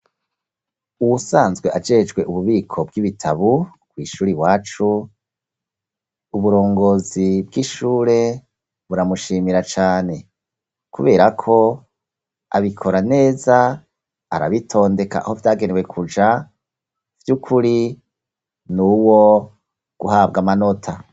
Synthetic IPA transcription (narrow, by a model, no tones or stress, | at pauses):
uwusaːnzɡwe̞ʔad͡ʒe̞d͡ʒɡwe̞ʔuβuβiːkʰo̞b̚ɡiβitʰaβu | ɡ̥wiːʃuːɾiβwaːt͡ʃu | uβuɾo̞ːŋɡo̞ːzibɡiʃuːɾe̞ | βuɾamuʃiːmiɾat͡ʃaːne̞ | kʰuβe̞ːɾakʰo̞ | a̰βikʰo̞ɾane̞ːza | a̰ɾa̰βitʰo̞ːnde̞ka̰ho̞vjaːɡe̞newe̞kʰud͡ʒa | v̥jukʰuɾi | nuwo̞ | ɡ̥uhaːb̚ɡamano̞tʰa